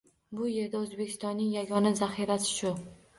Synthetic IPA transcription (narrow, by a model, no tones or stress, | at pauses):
bʊje̞ɾd̪aɵzbekʲʰɪ̥st̪ɒnːɪŋjaɡɒnazaχiɾasɪ̥ʃʊ